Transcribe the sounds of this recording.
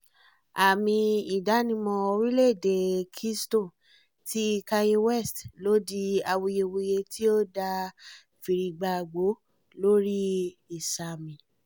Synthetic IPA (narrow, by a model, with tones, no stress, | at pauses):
a˨mĩ˧i˨da˨˦nĩ˧mɔ̃˧o˧ɾĩ˦le˦˨de˨kʰi˦sto˦˨ | tʰi˦˧ka˧je˧wɛ˦˨stlo˦di˧a˧wo˧je˧wo˧je˧ti˦o˦da˧ | fi˨ɾi˧ɡ͡ba˧˨ɡ͡bo˨˦ | lo˦ɾi˦i˦˨sa˧˨mĩ˨